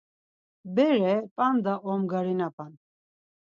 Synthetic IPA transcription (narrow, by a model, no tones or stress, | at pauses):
bɛɾɛpʼand̪aʔɔmɡaɾinapʼan